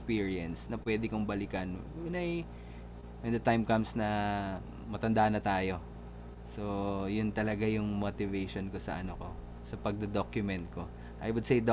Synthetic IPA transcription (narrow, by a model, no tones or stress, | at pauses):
spiːɹiɛnsnɐpwɛːd̪ɪkoŋbɐlɪkɐnjʊnɐj | wɛnd̪ɐt̪ajmkɐmsnɐ | mɐt̪ɐnd̪aʔnɐt̪aːjo | sojʊnt̪ɐlɐɡajʊŋmot̪ɪvejʃonkosɐ̰ʔɐnoko̞ | sɐpɐɡ̚d̪ɐd̪okjʊmɛnt̪̚ko̞ | ʔajwʊd̪̚sejd̪